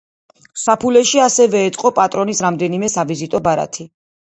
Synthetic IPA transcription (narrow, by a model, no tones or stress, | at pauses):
sapʰulɛʃiasɛvɛːt̪sʼqʼɔpʼat̪ʼɾɔnisɾamd̪ɛnimɛsavizit̪ʼɔbaɾa̰t̪ʰi